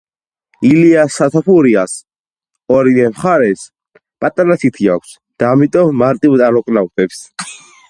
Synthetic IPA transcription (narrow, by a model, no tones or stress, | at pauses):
iliasːat̪ʰapuɾias | ɔɾinɛmχaɾɛs | pʼat̪ʼaɾasʰit̪ʰia̰kʷʰs | d̪̥aːmit̪ʼɔmːaɾt̪ʼivd̪aɾɔkʼnawt̪ʼɛps